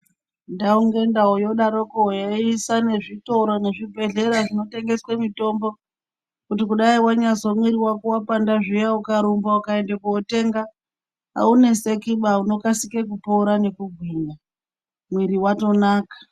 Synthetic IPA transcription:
ndauŋɡe̞ndaojo̞ɗaɾokoojaisane̞ʐito̞ɾo̞ne̞ʐibʱe̞ɮe̞ɾaʐino̞te̞ŋɡe̞swemito̞mbo̞ | kutikuɗaiwaɲaso̞mwiɾiwakuwapandaʐijaukaɾumbaukae̞ndekuote̞ŋɡa | a̰une̞sekiɓauno̞kasikek̬upoɾane̞kuɡʱwiːna | mwiɾiwato̞naːkḁ

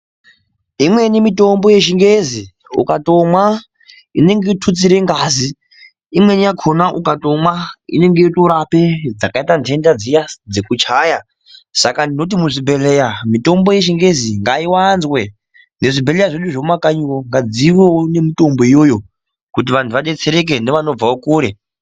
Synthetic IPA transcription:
imwe̞nimito̞mbo̞je̞ʃiŋɡezi | ṵkato̞mwa | ine̞ŋɡeitʰut͡siɾe̞ŋɡaziː | mwe̞nijakʰonaʔukato̞mwaḭne̞ŋɡeitoɾape̞d͡zakaitantʰe̞ndad͡zijad͡zekut͡ʃaːja | sakandino̞t̬imuʐibʱe̞lejamito̞mbo̞je̞ʃ̬iŋɡe̞ziŋɡaiwanzwe̞ | ne̞ʐibʱelejaʐeɗuʐoumakaɲuwoŋɡad͡ziwoone̞mito̞mbo̞ijo̞jo̞ | kut̬iʋantʰuʋaɗe̞t͡se̞ɾe̞k̬e̞neʋano̞b͡vaokuːɾe̞

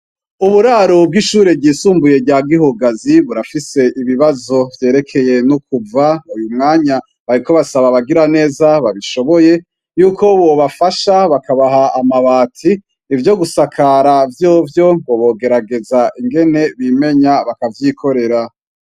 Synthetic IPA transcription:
uβuɾaːɾobɡiʃuːɾebɟiːsuːmbuje̞ɟaɡihuɡaziβuɾafise̞ʔiβiβazo̞vje̞ːɾe̞kʰe̞je̞nukuvaujumŋaːɲa | βaɾiko̞βasaβaβaɡiɾane̞ːzaβaβiʃo̞βoje̞ | juːkʰo̞βoβafaʃaβakaβaɦaamaβaːtʰiː | vjo̞ɡusakʰaɾavjo̞ːvjo̞βoβo̞ɡe̞ɾaɡe̞zaʔiŋɡe̞ne̞βime̞ɲaβakavjikʰo̞ɾe̞ɾa

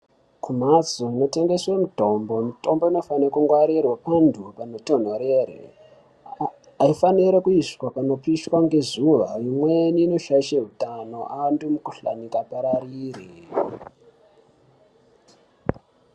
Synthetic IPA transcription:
kum̤at͡soino̞te̞ŋɡe̞swemito̞mbo̞mito̞mbo̞ino̞fanekuŋɡwaɾirwapandʱupanoto̞n̤oɾeɾḛ | aifaniɾekuiskwapano̞piʃwaŋɡe̞zuʋaimweniːno̞ʃaiʃeɦutano̞ʔandumukuɬa̰nikapaɾariːri

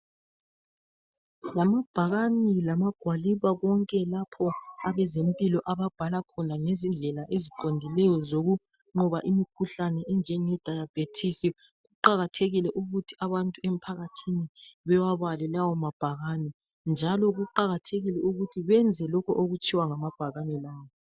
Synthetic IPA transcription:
lamab̥ʱaɣanilamaɡ̥ʱwaliβaɣɔŋkʼɛlapʰɔaβɛzempʼilɔʔaβab̥ʱalakʰɔnaŋezind͡ɮʱɛlaʔeziǃondʱilɛjɔzoɣu | ŋ͡ǃɔβaʔimikʰuɬanɛʔɛnd͡ʒʱɛŋɛd̥ʱajab̥ʱetʰisi | ɣuǃaɣatʰeɣilɛʔuɣutʰiaβantʼuem̩pʰaɣatʰiniβɛwaβalɛlawɔmab̥ʱaɣani | nd͡ʒʱalɔɣuǃaɣatʰeɣilɛuɣutʰiβɛnd͡zʱɛlɔkʰɔʔoɣut͡ʃʼʰiwaŋamab̥ʱaɣanilaːwɔ

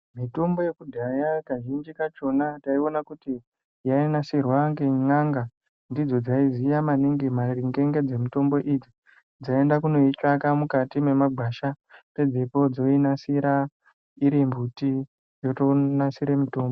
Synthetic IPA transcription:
mito̞mbo̞je̞kudʱajakaʒind͡ʒikat͡ʃo̞nataionakuti | jainasirwaŋɡeŋaŋɡa | ndid͡zo̞d͡zaizijamaniŋɡimariŋɡe̞ŋɡe̞d͡ze̞mito̞mbo̞ʔid͡zi | d͡zae̞ndakuno̞it͡ʃakamukatime̞maɡʱaʃa | pe̞d͡zepo̞d͡zo̞inasiɾa | iɾimbuti | joto̞nasiɾemito̞ːmbo

